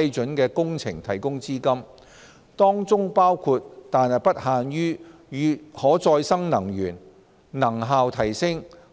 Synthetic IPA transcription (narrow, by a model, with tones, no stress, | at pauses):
jt͡sɵ˨˥nkɛː˧kʊ˥ŋt͡sʰɪ˨˩ŋt̪ʰɐ˨˩jkʊ˥ŋt͡siː˥kɐ˥m | t̪ɔː˥ŋt͡sʊ˥ŋpaː˥wkʰu˧t̚t̪aː˨nhɐ˨jpɐ˥t̚haː˨nɥyː˥ | jyː˨˧hɔː˨˥t͡sɔː˧jsɐ˥ŋnɐ˨˩ŋɥyː˨˩n | nɐ˨˩ŋɦaː˨˧wt̪ʰɐ˨˩jsɪ˥ŋ